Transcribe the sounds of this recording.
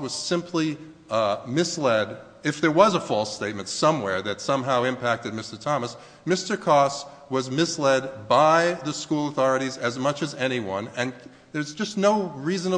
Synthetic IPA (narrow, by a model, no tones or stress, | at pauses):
wʌz̥sɪ̃mpʰli | mɪslɛɾ | ɨfðə˞wʌzəfɔlˠsteɪt̚mɨ̃n̩tsʌ̃mwɛɹðɨtsʌ̃mɦaʊɨ̃mpʰæk̚tɨd̚mɪstə˞tʰɑməs | mɪstə˞kʰɔs | wʌzmɪslɛd̚baɪðɨskulˠəθɔɹɨɾizɨzmʌt͡ʃɨzɛɾ̃iwʌ̰̃nɨ̃n | ðə˞zd͡ʒʌstnoʊɹizɨ̃nə